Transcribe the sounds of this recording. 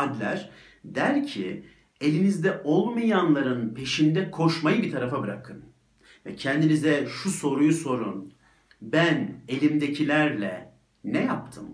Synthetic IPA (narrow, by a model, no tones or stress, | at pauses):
ad̪lʲæɾ̥ | d̪æɾcʰi | e̞lʲinizd̪ɛʔo̞lˠmajanlˠaɾɯnpʰe̞ʃind̪ɛkʰo̞ɾʃmajɯbit̪ʰaɾafabɯɾakʰɯn | vɛcʰɛnd̪inizɛʃuso̞ɾujuso̞ɾun | bæne̞lʲimd̪e̞cʰilʲæɾlʲɛ̰ | nɛjap̚t̪ʰɯ̰m